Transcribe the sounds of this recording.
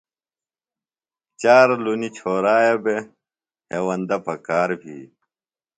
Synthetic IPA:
t͡ɕaːɾlunit͡ɕʰoːɾaːjɐbe | heːwɐnd̪ɐpɐkaːɾbʱḭː

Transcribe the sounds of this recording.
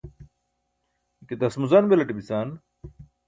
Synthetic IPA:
ket̪ɐsmuzanbelɐʈibisaːn

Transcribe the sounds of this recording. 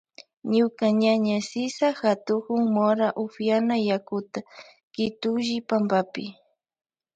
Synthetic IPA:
ɲʊkaɲaɲasɪsaxat̪ʊkʊŋmoɾaʔʊfjanajakʊt̪a | kɪt̪ʊʒɪpambapɪ

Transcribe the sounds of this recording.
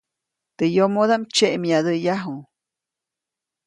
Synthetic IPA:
t̪ejomod̪amt͡ʃeʔmjad̪əjaɦuŋ

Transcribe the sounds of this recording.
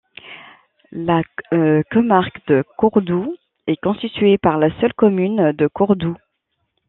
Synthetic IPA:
lakɔmaʁkd̪əkuʁd̪u | ɛkɔ̃st̪it̪ɥepaʁlasœlkɔmynd̪əkuʁd̪u

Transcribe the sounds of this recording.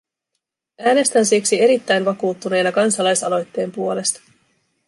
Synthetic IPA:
æːne̞st̪ænsiksie̞ɾit̪ːæjnʋɑkuːt̪ːune̞jnɑkɑnsɑlɑjsɑlo̞jt̪ːe̞ːmpuo̞le̞st̪ɑ̥

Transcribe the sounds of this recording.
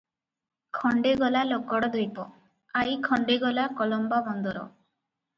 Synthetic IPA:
kʰɔɳɖeɡɔlalokɔɽɔd̪ojpɔ | aikʰɔɳɖeɡɔlakɔlɔmbabɔnd̪ɔɾɔ̰

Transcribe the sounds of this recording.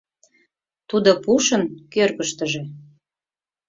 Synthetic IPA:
t̪ud̪opuʃənkørɣəʃt̪əʒe

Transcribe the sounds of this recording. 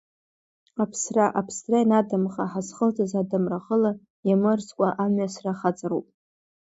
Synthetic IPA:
apʰsraʔapʰsrajnadɨmχaħazχəltʰʼazadɨmraχəla | jamɨrskʷʼaʔamɥasraχat͡sʼaɾupʼ

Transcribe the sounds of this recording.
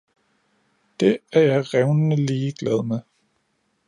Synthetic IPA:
d̥e̝æɐjɑ̈ɪʁɛʊnənəliːɡ̥lɛð̞ˠme

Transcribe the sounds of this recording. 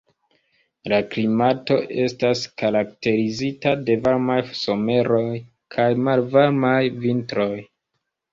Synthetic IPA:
laklimato̞ʔe̞staskaɾakte̞ɾizitade̞vaɾmajso̞me̞ɾo̞j | kʰajmalvaɾmajvintɾo̞j

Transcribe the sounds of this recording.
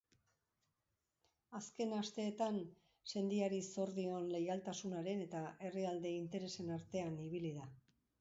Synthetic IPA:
aske̞nast̪e̞ːt̪an | se̞nd̪iaɾiso̞ɾðio̞nle̞jalt̪asunaɾe̞ne̞t̪aʔe̞riald̪e̞int̪e̞ɾe̞se̞naɾt̪e̞aniβ̞iliða

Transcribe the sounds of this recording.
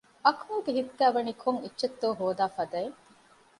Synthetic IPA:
ɐkmuːɡeɦit̪ːæːʋɐnikʰoŋitːʃet̪ːoːɦoːd̪aːfɐd̪ɐe

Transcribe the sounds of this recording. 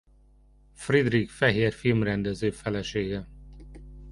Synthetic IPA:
frid̪rikfɛɦeːrfilmrɛnd̪ɛzøːfɛlɛʃeːɡɛ

